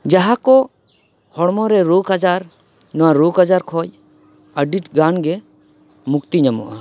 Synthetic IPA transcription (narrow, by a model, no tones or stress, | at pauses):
d͡ʒaɦakɔ | hɔɽmɔɾɛɾoɡad͡ʒaɾ | nɔwaɾoɡad͡ʒaɾkʰɔj | əɖiʈɡanɡɛ | mukt̪iɲamɔ̰ʔa̰